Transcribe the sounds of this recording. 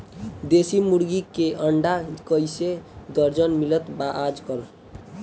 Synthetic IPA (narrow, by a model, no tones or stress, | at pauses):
d̪esimuɾɡikeʔəɳɖakəjsed̪əɾd͡ʒənmilət̪baʔad͡ʒkəl